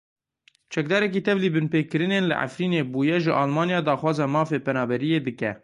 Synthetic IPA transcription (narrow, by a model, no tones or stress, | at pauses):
t͡ʃʰɛk̚d̪ɑːɾɛk̬iːt̪ʰɛvliːbɨnpeːkkːɨɾɨneːnlɨ̰ʔa̰fɾiːneːbuːjɛʒɨʔɑːlmɑːnijɑːd̪ɑːxwɑːzɑmɑːfeːpɛnɑːbɛɾijeːd̪ɨkɛ̰